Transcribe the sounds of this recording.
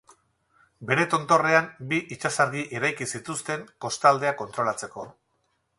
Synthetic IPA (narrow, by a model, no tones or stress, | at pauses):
be̞ɾe̞t̪o̞nt̪o̞re̞ambiʔit͡ʃasaɾɣiʔiɾajkisit̪ust̪e̞ŋko̞st̪ald̪e̞ako̞nt̪ɾo̞lat͡se̞ko̞